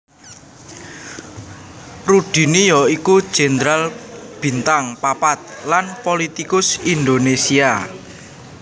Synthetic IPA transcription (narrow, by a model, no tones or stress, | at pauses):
ruɖ̥i̤nijɔikud̥ʒ̥e̤nd̪ɾalb̥i̤nt̪aŋpapat̪̚lanpolit̪ikʊsind̪onesia